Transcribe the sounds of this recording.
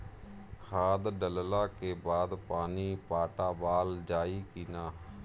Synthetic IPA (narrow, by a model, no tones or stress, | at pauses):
kʰaːd̪ɖəllaːkeːbaːd̪paːniːpaːʈaːbaːld͡ʒaːiːkiːnaː